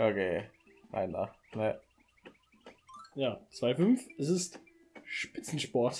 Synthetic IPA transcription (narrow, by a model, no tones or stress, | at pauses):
ʔokeː | ma̰ɪnda̰ | nə | jaːt͡sv̥aɪfʏnfɛs̬ɪst | ʃpɪt͡sn̩ʃpɔɐt